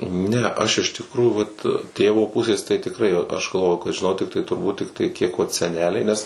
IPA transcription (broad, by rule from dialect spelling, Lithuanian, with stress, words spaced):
ˈnʲɛ ˈɐʃ ɪʃ tʲɪkˈruːjuː ʋɐt ˈtʲeːʋoː ˈpʊsʲeːs tɐɪ tʲɪkˈrɐɪ ɐʃ ɡɐlˠˈʋoːjʊ kɐt ʒʲɪˈnɐʊ tʲɪkˈtɐɪ tʊrˈbuːt ˈtʲɪktɐɪ ˈkʲiɛk ʋɐt sʲɛˈnʲæːlʲɛɪ ˈnʲɛs